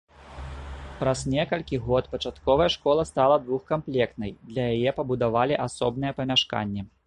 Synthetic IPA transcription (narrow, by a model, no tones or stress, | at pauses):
pɾɐznʲɛkɐlʲkʲiɣɔt̪pɐt͡ʂat̪kɔvɐjɛʂkɔlˠɐst̪alˠɐd̪vuxkamplʲɛkt̪nɐjd̪lʲɐjajɛpɐbud̪avalʲiʔasɔbnɨjɛpɐmʲaʂka̰nʲːɛ